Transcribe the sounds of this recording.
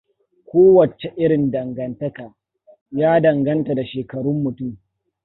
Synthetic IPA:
kʷoː˦wɐ˨t͡ʃe˨ʔɪ˦ɽɪ˨ndɐ˨ŋɡɐ˨ntɐ˦kaː˨ | jaː˦dɐ˨ŋɡɐ˦nta˨da˨ʃeː˨kɐ˨ɽʊ˦mːʊ˨tʊ˦m

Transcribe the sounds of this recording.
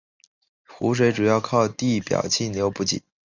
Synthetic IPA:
xu˧˥ʂ̬we˧˥ɪʈ͡ʂu˨˩jɑ˥˧ʊkʰɑ˥˧ʊt̪i˥˩pjɑ̰˨˩ʊt͡ɕʰi˥˩nljo˧˥ʊpu˥˩t͡ɕḭ˨˩˦

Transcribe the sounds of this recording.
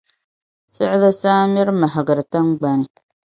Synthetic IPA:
sɪ˦ʔɪ˦la˦saː˦mɪ˦ɾma˨ɦa˨ɡɨ˨ɾɨ˨ta˦nɡ͡ba˨nɨ˨

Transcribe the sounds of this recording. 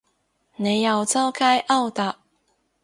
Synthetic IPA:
ne˨˦ja˨˩ʊt͡sɑ˥˦ʊkʰa˦jʔɑ˥˧wt̪a˨˩

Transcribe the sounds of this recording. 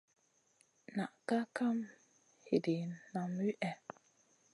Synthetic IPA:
na˨ʔka˦ka˦m | hi˨di˨nna˨mwi˦ʔɛ˨

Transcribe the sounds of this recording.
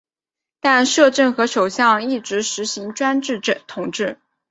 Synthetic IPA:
t̪a˥˧nʂɤ˥˧ʈ͡ʂɤ˥˩nxɤ˧˥ʂo˨˩ʊɕjɑ˥˧ŋi˥˩ʈ͡ʂɻ̩˧˥ʂɻ̩˧˥ɕi˧˥ŋʈ͡ʂwa˥nʈ͡ʂɻ̩˥˧˨t̪ʰʊ˨˩ŋʈ͡ʂɻ̩˥˩

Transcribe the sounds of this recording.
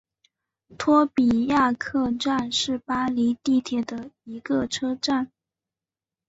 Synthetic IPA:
t̪ʰwɔ˥pi˨˩ja˥˧kʰɤ˥˧ʈ͡ʂa˥˧nʂɻ̩˥˩pa˥li˧˥t̪i˥˩t̪ʰjɛ˨˩d̪ə˦i˧˥ɡə˧ʈ͡ʂʰɤ˥ʈ͡ʂa˥˩n

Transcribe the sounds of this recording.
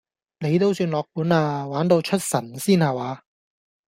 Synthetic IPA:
ne˨˧jt̪o˥wsyː˧nlɔː˨k̚puː˨˥naː˧waː˨˥nt̪o˧wt͡ʃʰɵ˥t̚sɐ˨˩nsiː˥nhaː˨˩waː˨˧

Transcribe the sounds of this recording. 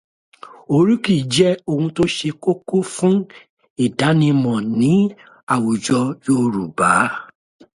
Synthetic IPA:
o˧ɾi˦ki˦˨d͡ʒɛ˦o˧hũ˧to˦ʃe˧ko˦ko˦fũ˦ | i˦˨da˨˦nĩ˧mɔ̃˨nĩ˨˦ | a˦˨wu˨d͡ʒɔ˧joː˦ɾu˨ba˨˦

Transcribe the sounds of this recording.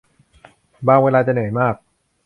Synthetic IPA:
baː˧ŋweː˧laː˧t͡ɕa˨˩nɯ˨˩˦jmaː˥˩k̚

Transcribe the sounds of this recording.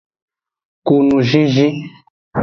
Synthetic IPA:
ku˨nũ˨ʒi˦ʒi˦

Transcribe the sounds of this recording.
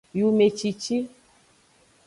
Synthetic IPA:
ju˨me˨t͡ʃi˨t͡ʃi˦

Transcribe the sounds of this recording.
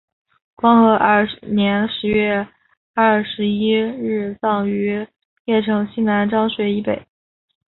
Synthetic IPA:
kwɑ˥ŋxɤ˧˥ʔnjɛ˧˥nʂɻ̩˧˥ɥɛ˥˧ | a˥˩ʂɻ̩˧˥i˥ɻɻ̩˥˩t͡sɑ˥˩ŋy˧˥ | jɛ˥˩ʈ͡ʂʰɤ˧˥ŋɕi˥nna˧˥nʈ͡ʂɑ˥ŋɕɥɛ˧˥i˧˥pe˨˩˦ɪ

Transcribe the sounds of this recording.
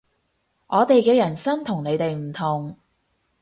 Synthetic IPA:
ʔɔː˨˧t̪e˨jkɛː˧jɐ˨˩nsɐ˥nt̪ʰʊ˨˩ŋne˨˧jt̪e˨jm̩˨˩t̪ʰʊ˨˩ŋ

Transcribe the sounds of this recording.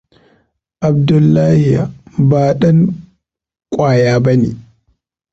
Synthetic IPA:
ʔa˨bdʊ˨lːa˦hijabaː˨ɗa˦n | kʷʼwaː˨jaː˦bɐ˦nḭ

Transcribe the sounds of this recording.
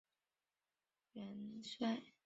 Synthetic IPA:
ɥɛ˧˥nswa˥˩ɪ

